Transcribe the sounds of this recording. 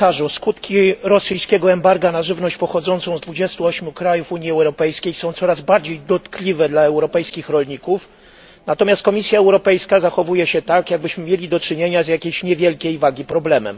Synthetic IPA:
aʐuskut̪kʲiɾɔsɘjskʲɛɡɔɛmbaɾɡanaʐɘvnɔɕt͡ɕpɔxɔd̪zɔnt̪sɔ̃w̃zd̪vud͡ʑɛst̪uɔɕmʲjukɾajufuɲjiɛwɾɔpɛjskʲejsɔ̃w̃t̪sɔɾazbaɾd͡ʑejd̪ɔt̪klʲivɛd̪laɛwɾɔpɛjskʲixɾɔlɲikuf | nat̪ɔmʲast̪̚kɔmʲisʲjaɛwɾɔpɛjskazaxɔvujɛɕɛt̪akjaɡ̚bɘɕmɘmʲjelʲid̪ɔt͡ʂɘɲeɲazjakʲimɕɲɛvʲjɛlkʲejvaɡʲipɾɔblɛmɛ̰m

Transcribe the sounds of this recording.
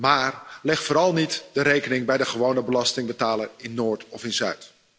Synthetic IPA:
maːrlɛχtfoːɾɑlˠnitdəɾejkənɪŋbɛjdəχəʋownəbəlɑstɪŋbətaːlərɪnːoːɹtɔfɪnzœ̰ɥt

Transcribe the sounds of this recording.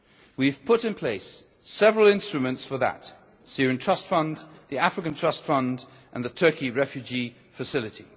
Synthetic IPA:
wiv̥pʰʊɾɨ̃npʰl̥eɪs | ɛvəɹəlˠɪ̃nstɹ̥ɨmə̃ntsfəðə̰t | sɪɹɨ̃ntʰɹ̥ʌstfʌ̃ndðiafɹɨkə̃ntʰɹ̥ʌstfʌ̃ndʔə̃nðətʰɜˑ˞kiɹɛfjʉd͡ʒi | fɨsɪlˠɨti

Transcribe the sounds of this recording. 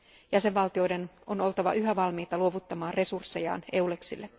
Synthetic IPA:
jæse̞ʋʋɑlt̪io̞jde̞no̞no̞lt̪ɑʋɑ̰ʔyɦæʋɑlmiːt̪ɑluo̞ʋut̪ːɑmɑːnre̞sursːe̞jɑ̰ːne̞ule̞ksḭlːe

